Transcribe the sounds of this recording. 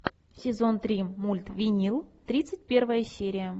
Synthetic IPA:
sʲɪzont̪ɾʲimulʲt̪vʲinʲilˠt̪ɾʲit̪sɨt̚ʲpʲervəjəsʲeɾʲɪjə

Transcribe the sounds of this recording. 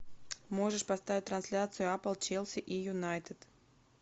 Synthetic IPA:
moʐɨʂpɐst̪avʲɪt̚ʲt̪ɾɐnsʲlʲat̪sɨjʊapəlˠt͡ɕelˠsʲɪʔijʊnajt̪ɨt̪

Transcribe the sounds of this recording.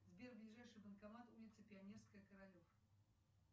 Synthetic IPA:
zbʲerblʲɪʐajʂɨxbənkamat̪ulʲɪt̪səpʲɪanʲerskəjəkəɾalʲof

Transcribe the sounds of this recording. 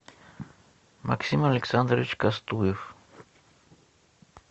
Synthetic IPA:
ma̰ksimaleksand̪ɾit͡ʃkast̪uef

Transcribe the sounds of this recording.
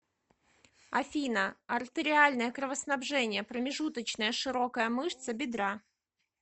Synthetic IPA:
ɐfʲinəɐrt̪ɨɾʲɪalʲnəjəkɾəvəsn̪abʐɛnʲɪjəpɾəmʲɪʐut̪ət͡ɕnəjəʂɨɾo̞kəjəmɨʂt̪səbʲɪd̪ɾa

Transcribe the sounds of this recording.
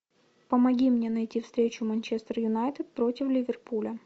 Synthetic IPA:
pəmɐɡʲimnʲenɐjtʲifst̪ɾʲet͡ɕʊmɐnʲt͡ɕest̪ərjʊnajt̪ɨt̪̚pɾo̞tʲɪflʲɪvʲɪrpulʲə

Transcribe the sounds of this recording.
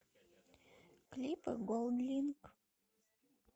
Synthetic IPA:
klʲipə̰ɡolˠd̪lʲink

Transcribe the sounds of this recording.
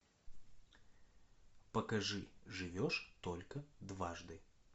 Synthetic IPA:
pɐkɐʐɨʐɨvʲɔʂt̪ɔlʲkɐd̪vaʐd̪ɨ

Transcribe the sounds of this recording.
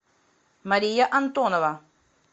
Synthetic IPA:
maɾijaʔant̪onaβa

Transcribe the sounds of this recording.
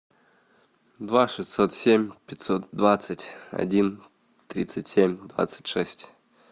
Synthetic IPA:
d̪vaʂɨsʲt̪sot̪sʲemʲpʲɪt̪ʲsot̪̚d̪vat̪sətʲa̰dʲin | t̪ɾʲit̪sɨtʲsʲemʲd̪va̰t̪sɨ̥tʲʂɛsʲtʲ

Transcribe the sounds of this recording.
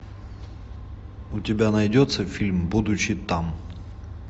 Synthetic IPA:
ʊtʲɪbʲanɐjdʲot̪səfʲilʲmbud̪ʊt͡ɕːɪt̪am

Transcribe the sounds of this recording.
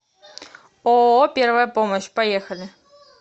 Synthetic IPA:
ɔɔpʲɛrvɐjɐpɔmɐɕpajɛxɐlʲɪ

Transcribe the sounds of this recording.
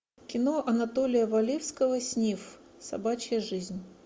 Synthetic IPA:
kʲɪno̞ʔɐnɐt̪olʲɪjəvɐlʲefskəvəsʲnʲif | sɐ̰bat͡ɕɪjəʐɨzʲnʲ

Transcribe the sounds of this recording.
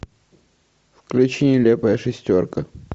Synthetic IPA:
fklʲʉt͡ɕinʲɪlʲepəjəʂɨsʲtʲorkə

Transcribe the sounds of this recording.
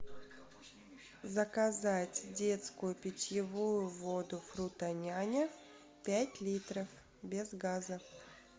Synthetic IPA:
zəkɐzatʲdʲe̞t̪skʊjʊpʲɪt͡ɕʲjɪvujʊvod̪ʊfɾut̪ɐnʲanʲə | pʲætʲlʲit̪ɾəf | bʲɪzɡazə

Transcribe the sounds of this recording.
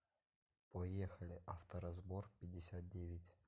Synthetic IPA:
pojexəlʲɪʔɐft̪əɾɐzborpʲɪdʲːɪsʲat̪̚dʲevʲɪtʲ

